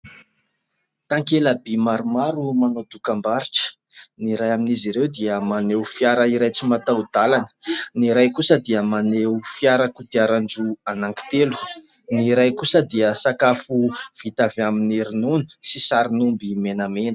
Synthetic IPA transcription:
t̪aŋkeləbimaɾumaɾumanad̪ukambaɾiʈ͡ʂə̥ | niɾajaminiziɾewd̪iəmanewfjaɾəiɾajt͡simat̪awd̪̥alanə̥niɾajkusəd̪iəmanewufiaɾakud̪iaɾand͡ʒuanaŋki̥t̪elu̥ | niɾajkusəd̪iəsakafuv̥it̪avamineɾinuni̥sisaɾinumbimenəmenə̥

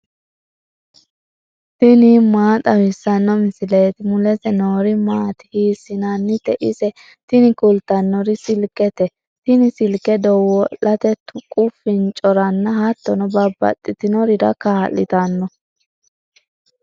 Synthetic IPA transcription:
t̪ɪniːmaːt̪ʼɐwɪsːɐnːɔmɪsɪleːt̪ɪmʊlɛt̪ɛnoːɾɪmaːt̪ɪ̥hiːsːɪnɐnːɪt̪ɛʔɪsɛ | t̪ɪnɪkʊlt̪ɐnːɔɾɪsɪlkːɛt̪ɛ | t̪ɪnɪsɪlkɛd̪ɔwɔlɐt̪ɛt̪ʊkʼʊfɪnt͡ʃʼɔɾɐnːɐhɐt̪ːɔnɔbɐbːɐ̰t̪ʼːɪt̪ɪnɔɾɪɾɐ̰kaːlːɪ̰t̪ɐnːɔ

